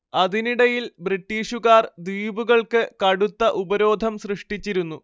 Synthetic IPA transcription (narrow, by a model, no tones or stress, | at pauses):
ɐd̪iniɽɐjilbriʈːiːʂuɣaːrd̪iːbuɣɐɭkɨkɐɽut̪ːɐʔubɐɾo̞ːd̪ʱɐmsrɨʂʈit͡ɕːiɾunːu